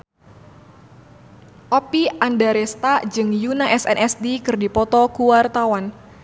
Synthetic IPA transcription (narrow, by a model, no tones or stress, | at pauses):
ʔɔpiandaɾest̪ad͡ʒɨŋjunaʔɛsɛ̰nʔɛsdikɨrdipɔt̪ɔkuwart̪awan